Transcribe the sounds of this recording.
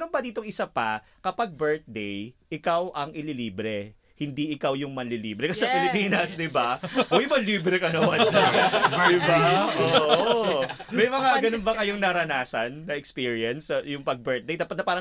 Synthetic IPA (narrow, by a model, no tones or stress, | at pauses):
ɛnonbɐd̪iːt̪oŋɪsapɐ | kɐpɐɡ̚bɛɹt̪̚d̪ɛjʔɪkawʔɐŋɪliliːbɾɛ | hɪnd̪iʔɪkawjʊŋmɐnlilḭːbɾɛkɐsɐpɪlɪpiːnɐsd̪ɪbaʔojmɐnliːbɾɛkɐnɐwɐd͡ʒɐɐjbɐʔoː | mɛjmɐŋaɡɐnonbɐkɐjoŋnɐɾɐnaːsɐnːɐɛkspiːɹjɐnsjʊŋpɐɡ̚bɛɹt̪̚d̪ejt̪ɐpɐt̪̚nɐpaːɾɐ